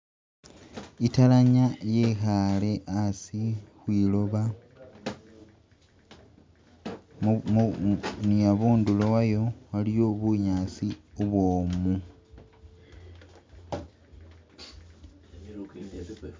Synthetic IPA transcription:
italaɲajexale̞ʔasixwiːlo̞βa | nijaβuːndulo̞wajo̞walijo̞ːβuɲaːt͡siuβwoːmu

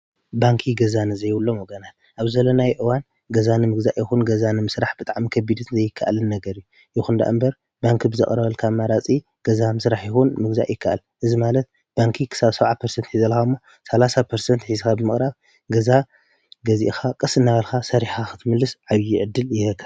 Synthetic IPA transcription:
baŋkʰiɡɐzanɨzɐjwulːo̞moɡɐnalʔaβzɐlːonajʔɨwan | ɡɐzanɨmɨɡzaʔjɪxunɡɐzanɨmɨsɾaħb̥ɨt̪ʼaʕmikʰɐbid̪ɨnzɐjɪkʰːaʔa̰lɨnːɐɡɐɾɨju | ʔɪxund̪a̰ʔɨmbɐɾ | baŋkʰibɨzɐkʼɾɐβɐlkʰamaɾat͡sʼi | ɡ̥ɐzamɨsɾaħjɪxunmɨɡza̰ʔjɪkʰːaʔa̰lʔɨzimalɐt̪̚ | b̥aŋkʰikʰɨ̥saβsɐβʕapʰɐɾsɐnt̪ħizɐlxaɨmːo | sɐlasapʰɐɾsɐnt̪ħizɨxabɨmɨxʼɾaβ | ɡɐza | ɡɐzḭʔxakʼɨsɨnːaβɐlkʰasɐɾiħaxɨ̥t̪ʰɨmɨlːɨsʕaβjɪʕɨd̪ːɨljɪkʰːɐ

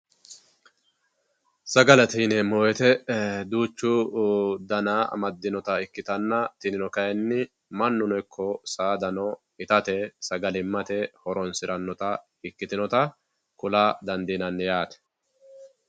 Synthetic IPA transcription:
sɐɡɐlɐt̪iːnɛmoːjɛt̪ɛd̪uːt͡ʃːʊd̪ɐna̰ːmɐd̪ːɪnɔt̪ɐɪkːɪt̪ɐnːɐt̪ɪnɪnɔkɐjɛnːɪ | mɐnːʊnɔɪkʰːɔsaːd̪ɐnɔ | ɪt̪ɐt̪ɛsɐɡɐlɪmːɐt̪ɛhɔɾɔnsɪɾʔɐnːɔt̪ɐ | ɪkːɪt̪ɪnɔt̪ɐ | kʊlaːd̪ɐnd̪iːnɐnːjaːt̪ɛ̥

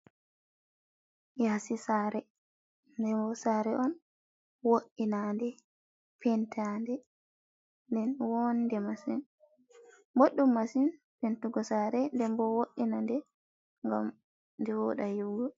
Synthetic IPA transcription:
jasisaːɾɛ | ndɛmbɔsaɾɛʔɔn | woʔinandɛ | pʰɛntandɛ | ndɛnwondɛmasin | moɗːumːasin | pentuɡɔsaɾɛndɛmbɔwoʔːinandɛ | ŋɡa̰m | ndɛwɔɗajuɡɔ

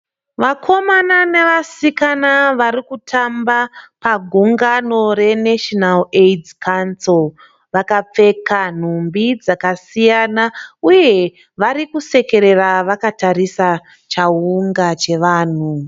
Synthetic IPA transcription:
ʋakʰo̞mananeʋasikanaʋaɾikutʰambapaɡʱuŋɡano̞re̞neʃonaledkansol | ʋakap͡fe̞kan̤umbid͡zakasijanauje̞ | ʋaɾikuse̞ke̞ɾe̞raʋakataɾisa | t͡ʃauŋɡat͡ʃe̞ʋaːn̤u

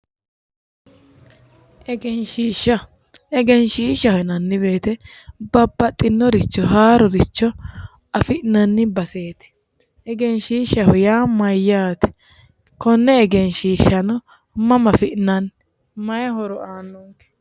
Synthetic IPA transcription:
ʔɛɡɛnʃiːʃːɐ | ʔɛɡɛnʃiːʃɐhɛnɐnːɪbe̞ːt̪ɛbɐbːɐt̪ʼːɪnːɔɾɪt͡ʃːɔɦaːɾɔɾɪt͡ʃːɔ | ɐfɪʔnɐnːɪbɐse̞ːt̪ɪ̥ | ɛɡɛnʃiːʃɐhʊjaːmɐjːaːt̪ɛ̥ | kɔnːɛːɡɛnʃiːʃɐnɔ | mɐmɐfɪʔnɐn | mɐjɐɦɔɾɔaːnːɔŋkɛ̥

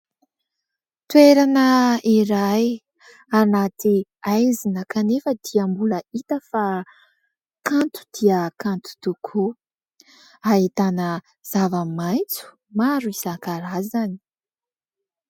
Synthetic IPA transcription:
t̪weɾanəiɾaj | anat̪i | ajzinəkanefəd̪̥iəmbuləit̪əfa | kant̪u̥d̪̥iəkant̪u̥t̪ukʰu | ait̪anə | z̥avamajt͡su̥ | maɾuizaŋkaɾazani̥

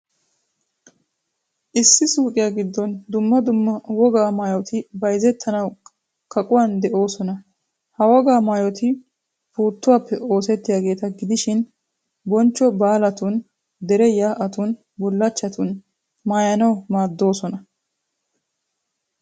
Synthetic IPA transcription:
ʔɪsːɪsuːkʼɪjaɡɪd̪ːɔnd̪ʊmːɐd̪ʊmːɐwɔɡaːmaːjɔt̪ɪbɐjzɛt̪ʰːɐnɐw | kʰɐkʼʊwand̪ɛʔo̞ːsɔnɐ | hɐwɔɡaːmaːjɔt̪ɪ | fuːt̪ːʊwaːpːɛʔo̞ːsɛt̪ːɪjaːɡe̞ːt̪ɐɡɪd̪ɪʃɪn | bɔnt͡ʃːɔbaːlɐt̪ʊn | d̪ɛɾɛjaːʔɐt̪ʊn | bʊlːɐt͡ʃːɐt̪ʰʊn | maːjɐnɐwmaːd̪ːo̞ːsɔnɐ

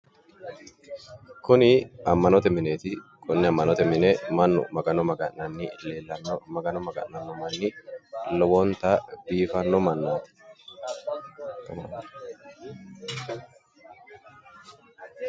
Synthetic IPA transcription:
kʊnɪɐmːɐnɔt̪ɛmɪneːt̪ɪkʼʊnːɪɐmːɐnɔt̪ɛmɪnemɐnːʊ̰mɐɡɐnɔmɐɡɐnnɐnːɪleːlːɐnːɔmɐɡɐnɔmɐɡɐ̰ʔːɐnːɔmɐnːɪlɔbɔnt̪ab̥iːfɐnːɔmɐnːaːt̪ɪ̥ | t̪ɔmɐ

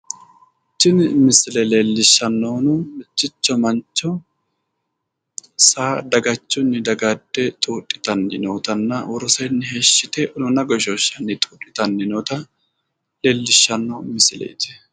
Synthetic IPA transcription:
t͡ʃːɪnmɪsɪlɛle̞ːlːɪʃːɐnːoːnʊmɪt͡ʃːɪt͡ʃːɔmɐnt͡ʃːɔ | saːd̪ɐɡɐt͡ʃːʊnːɪd̪ɐɡɐd̪ːɛt̪ʼuːtʼːɪ̥t̪ɐnːɪ̰noːt̪ɐnːɐwɔɾɔsɐjnːɪhe̞ːʃːɪt̪ɛʔnʊnɐɡɔʃoʃːɐnːɪt̪ʼuːtʼːɪt̪ɐnːɪnoːt̪ɐ | le̞ːlːɪʃːɐnːomɪsɪlɛ̰jd͡ʒɛ

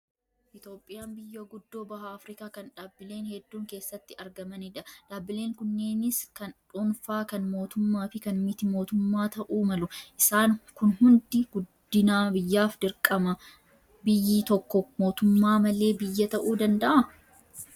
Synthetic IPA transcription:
ʔɪt̪jo̞ːpʼːɪjaːnbɪjːɐɡʊd̪ːo̞ːbɐɦɐːfɾɪkaːkɐnᶑaːbːɪle̞ːnhɛd̪ːuːŋke̞ːsːɐt̪ːɪɐɾɡɐmɐnɪᶑɐᶑaːbːɪle̞ːŋkʊnːe̞ːnɪskɐnᶑunfaːkɐnmo̞ːt̪ʊmːaːfɪkɐnmɪt̪ɪmo̞ːt̪ʊmːaːt̪ɐʔuːmɐlʊʔɪsaːnkʊnhʊnd̪ɪɡ̥ʊd̪ːɪnaːbɪjːaːfd̪ɪɾkʼɐmɐ | bɪjːiːt̪ɔkːɔmo̞ːt̪ʊmːaːmɐle̞ːbɪjːɐt̪ɐʔuːd̪ɐnd̪ɐʔɐ

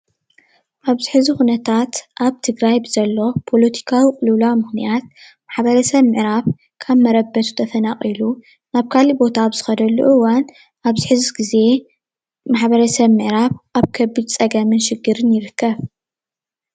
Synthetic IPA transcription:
ʔaβzɨħɨzixunɐt̪ʰat̪ʔaβt̪ʰɨɡɾajbɨzɐlːo̞pʰo̞lɐt̪ʰi̥kʰawikʼɨlɨlamɨxnijat̪̚ | maħbɐɾɐsɐβmɨʕɾaβ | kʰaβmɐɾɐbːɐt̪ʰu̥t̪ʰɐfɐnaχʼilu | naβkʰalibo̞t̪ʰabɨz̥ɨxɐd̪ɐlːṵʔɨwan | ʔaβzɨħɨzɡize̞ | maħbɐɾɐsɐβmɨʕɾaβʔaβkʰɐbːɨd̪t͡sʼɐɡɐmɨnʃɨɡːɨɾɨnjɪɾɨkʰːɐβ

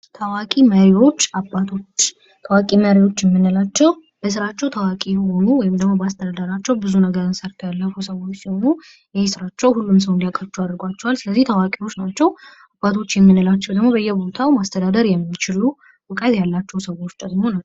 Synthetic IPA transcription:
t̪ʰəwakʼiməɾiwo̞t͡ʃːabːat̪ʰo̞t͡ʃː | t̪ʰəwakʼiməɾiwo̞t͡ʃːjɛmːɨnːəlat͡ʃːɛw | b̥əs̬ɨɾat͡ʃːɛwt̪ʰəwakʼiho̞nuwɔjɪmd̪əɡmo̞bəast̪ʰəd̪ad̪əɾat͡ʃːɛwbɨzunəɡəɾɨnsəɾt̪ʰjalːəfusəwo̞t͡ʃːsihonu | jɛjsɨɾat͡ʃːɛwhulːums̬əwɨnd̪ijakʼət͡ʃːuad̪ɾɨɡʷat͡ʃːɛwalsɨləzːiht̪ʰəwakʼiwo̞t͡ʃːnat͡ʃːɛw | abːat̪ʰo̞t͡ʃːjɛmːɨnəlat͡ʃːɛwd̪əɡmo̞βəjːɛbo̞t̪ʰawmast̪ʰəd̪ad̪əɾjɛmːit͡ʃɪlu | bəkʼːazjalːat͡ʃːɛwsəwo̞t͡ʃːd̪əɡmo̞nə

